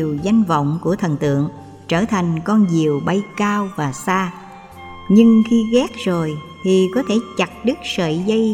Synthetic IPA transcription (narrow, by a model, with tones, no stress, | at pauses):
əwza˧jŋ̟və̰˧˨wŋ͡mku˧˩ət̪ʰə˨˩nt̪ɨ̰˧˨əŋ | t͡ɕəː˧˩t̪ʰa˨˩jŋ̟kɔ˧nzi˨˩əwɓa˧jkaː˧wvaː˨˩saː˧ | ɲɨ˧ŋxi˧ɣɛ˦˥k̚zo˨˩j | t̪ʰi˨˩kɔ˨˦t̪ʰe˧˩t͡ɕa˨˩k̚ɗɨ˦˥k̚sə̰ː˧˨zə˧j